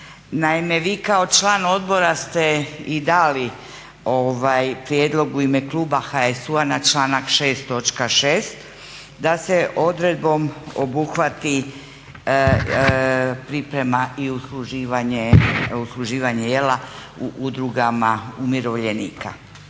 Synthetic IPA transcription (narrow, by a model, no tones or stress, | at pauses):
naime̞ʋiːkao̞t͡ʃlaːno̞d̪bo̞ɾast̪e̞id̪aːli | o̞ʋajpɾjed̪lo̞ɡuime̞kluːbaxaesuanat͡ʃlaːnakʃe̞ːst̪ːo̞t͡ʃkaʃeːst̪ | d̪ase̞ʔo̞d̪ɾe̞d̪̚bo̞mo̞̰buxʋat̪i | pɾipɾe̞maiusluʒiːʋaɲeuslˠuʒiːʋaɲejela | uʔud̪ɾuɡamaumjeɾo̞ʋʎe̞nḭːka̰